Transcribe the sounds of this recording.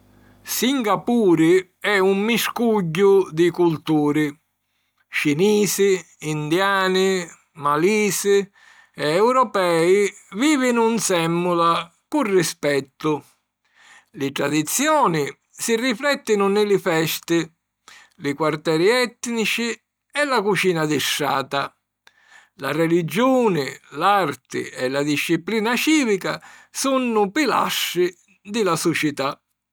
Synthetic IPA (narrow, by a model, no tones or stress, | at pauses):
siŋɡapuːɾɪ | ɛumːiskuɟːʊd̪ɪkult̪uːɾɪ | t͡ʃiniːsɪː | nd̪jaːnɪ | maliːsɪ | ɛɛwɾɔpɛːiviːvɪnunsɛmːula | kurːispɛt̪ːʊ | lɪt̪ɾad̪it̪sːjɔːnɪ | siriflɛt̪ːɪnʊnɪlɪfɛst̪ɪ | lɪkwart̪ɛːɾiɛt̪ːnit͡ʃi | ɛlakut͡ʃiːnad̪ɪʃːa̰ːt̪a | la̰rɛlid͡ʒuːnɪlart̪ɪ̰ɛlad̪iʃːipliːnat͡ʃiːvikasunːʊpila̰ʃːɪ | d̪ɪlasʊt͡ʃɪt̪a